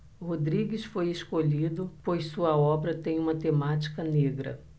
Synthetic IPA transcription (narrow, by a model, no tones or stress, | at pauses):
hod̪ɾiɡɪsfojeskoʎid̪ʊpojssuɐɔbɾɐt̪ẽj̃ũmɐt̪emat͡ʃi̥kɐneɡɾɐ̰